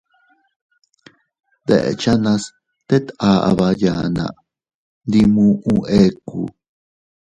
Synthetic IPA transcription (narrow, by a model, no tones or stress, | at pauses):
d̪ḛʔḛt͡ʃanas | t̪et̪aʔa̰βajanã̰ʔ | nd̪imũʔũʔekṵ